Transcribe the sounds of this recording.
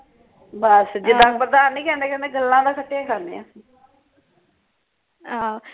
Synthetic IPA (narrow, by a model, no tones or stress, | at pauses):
bəsd͡ʒɪd̪ãːkpɾəd̪aːnːĩːkɛ̃ːnd̪eːkɛ̃nd̪eːɡəlːãːd̪aːkʰəʈːejãːkʰaːnḛã̰ | ãː